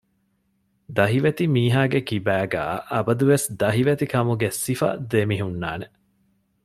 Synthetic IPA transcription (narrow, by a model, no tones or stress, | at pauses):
d̪ɐɦiʋet̪imiːɦaːɡekibæːɡæ̰ːʔɐbɐd̪uʋesd̪ɐɦiʋet̪ikɐmuɡesifɐ̰d̪emiɦunːaːne